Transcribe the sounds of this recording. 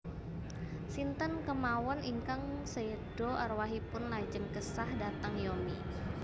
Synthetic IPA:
sint̪ənkəmawɔniŋkaŋsed̥ɔʔarwaɦipʊnlad͡ʒənkəsahdat̪əŋjomḭ

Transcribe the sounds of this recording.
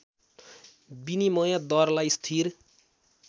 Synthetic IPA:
binimʌjad̪ʌrlajst̪ʰiɾ

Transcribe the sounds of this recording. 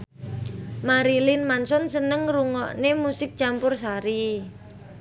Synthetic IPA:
maɾilɪnmansɔnsənəŋruŋɔʔnemusɪk̚t͡ʃampʊrsaɾi

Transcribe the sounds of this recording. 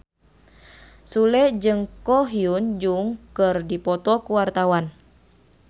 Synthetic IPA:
sulɛd͡ʒɨŋkɔɦiund͡ʒuŋkɨrdipɔt̪ɔkuwart̪awan

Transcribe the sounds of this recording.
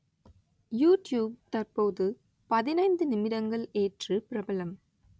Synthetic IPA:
juːʈjuːb̚t̪ɐrpoːðɯ | pɐðɪnɐɪnd̪ɯnɪmɪɾɐŋɡɐɭeːʈrɯpɪɾɐbɐlɐm

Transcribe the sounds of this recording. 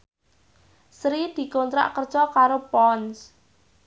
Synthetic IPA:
sɾid̪̥i̤kont̪ɾa̰ʔkərt͡ʃɔkaɾopɔns

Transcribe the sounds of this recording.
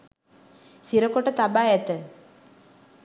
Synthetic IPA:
siɾɐkːoʈːɐt̪ɐbaːjet̪ːɨ

